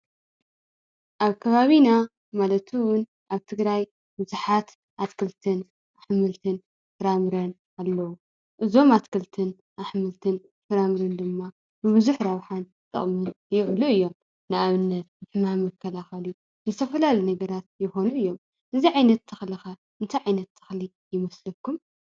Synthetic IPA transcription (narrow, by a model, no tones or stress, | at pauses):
ʔaβkʰɐβaβina | malɐt̪ʰuwʊn | ʔaβt̪ʰɨɡɾaj | bɨzuħat̪ | ʔat̪kʰɨlt̪ʰɨn | ʔaħmɨlt̪ʰɨn | fɨɾamɨɾɐn | ʔalːɐwu | ʔɨzo̞mat̪kʰɨlt̪ʰɨn | ʔaħmɨlt̪ʰɨn | fɨɾamɾɐnd̪ɨmːa | bɨβɨzuħɾɐβħan | t̪ʼɨ̰χʼmɨn | jɪʕluɨjːo̞m | nɨʔaβɨnːɐt̪̚ɨħɨmamɐkʰːɐlaxɐlu | zɨt̪ʰɐfɐlalinɐɡɐɾat̪̚jɪxo̞nuɨjːo̞m | ʔɨziʕajnɐt̪ːʰɨxlixɐ | ʔɨnt̪ʰajʕajnɐt̪ʰːɨ̥xli | jɪmɐslɐkːum